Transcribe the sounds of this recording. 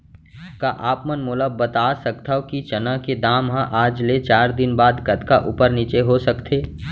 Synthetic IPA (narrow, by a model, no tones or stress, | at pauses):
kaʔaːpmənmʊləbət̪aːsəkt̪ʰakit͡ʃɐnãked̪aːmɦãʔaːd͡ʒlet͡ʃaːɾd̪ɪnbaːd̪kət̪kaʔupəɾnit͡ʃeɦosɐkt̪ʰeː